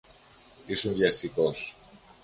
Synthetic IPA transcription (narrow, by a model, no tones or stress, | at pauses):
isunðʝɐst̪ikos